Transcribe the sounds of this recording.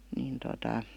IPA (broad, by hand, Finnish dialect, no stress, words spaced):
niːn totɑ